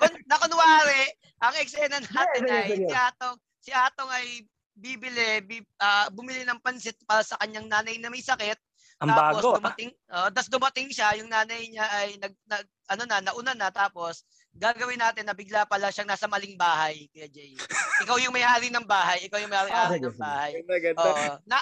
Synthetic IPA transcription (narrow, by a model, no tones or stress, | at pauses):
konnɐkonwaːɾɛʔ | ʔɐŋɛksɛnɐnaːt̪ɪnɐjɪʔaːt̪oŋ | sɪʔaːt̪oŋɐj | bibɪlɛbiʔɐːbʊmɪlɪnɐŋpɐnsɪt̪̚paːɾɐsɐkɐɲaŋnaːnɐjnɐmɐjsɐkɛt̪̚ | ɐaːapːɡosd̪ʊmɐt̪ɪŋʔoʔd̪ɐsd̪ʊmɐt̪ɪŋʃajʊŋnaːnɐjɲaʔɐjnɐɡ̚nɐɡ̚ʔɐnonɐnɐʔʊnanɐt̪aːpo̞s | ɡaːɡɐwɪnaːt̪ɪnːɐbɪɡlapɐlaʃɐŋnaːsɐmɐlɪŋbaːɦɐjkɐjad͡ʒɛjʔɪkawjʊŋmɐjʔaːɾɪnɐŋbaːɦɐjʔɪkawjʊŋmɐjʔaːɾɪjʔaːɪnɐŋbaːhɐjmɐɡɐnooʔnɐ